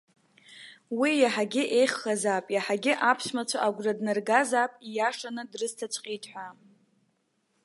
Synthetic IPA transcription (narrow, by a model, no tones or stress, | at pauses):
wijaħaɡʲɪʔe̞jχːazapʼjaħaɡʲɪʔapʰʃmat͡ʃʷʰaʔaɡʷradnɨrɡazapʼijaʂanɨdrɨztʰat͡ʃʷʼqʲʼitʼħʷᶣa